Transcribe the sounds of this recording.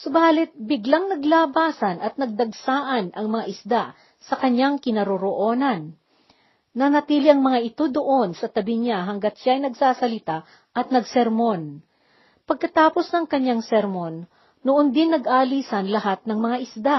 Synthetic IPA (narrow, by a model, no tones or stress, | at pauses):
sobaːlɪt̪̚bɪɡlaŋnɐɡlaːbaːsɐnʔɐt̪̚nɐɡ̚d̪ɐɡsaːʔɐnʔɐŋmɐŋaʔɪsd̪a | sɐkɐɲaŋkɪnɐɾoɾoʔo̞ːnɐnː | ɐnɐt̪iːlɪʔɐŋmɐŋaʔɪt̪o̞d̪oʔo̞nsɐt̪ɐbɪɲaɦɐŋɡat̪̚ʃaɐjnɐɡsaːsɐlɪt̪a | ʔɐt̪̚nɐɡsɛɾmon | pɐɡ̚kɐt̪aːpo̞snɐŋkɐɲaŋsɛɾmonː | ʊʔond̪ɪnːɐɡʔaːliːsɐnlɐɦat̪̚nɐŋmɐŋaʔɪsd̪a